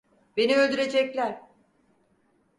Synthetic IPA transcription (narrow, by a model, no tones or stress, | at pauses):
be̞niølʲd̪yɾe̞d͡ʒɛclʲæɾ̥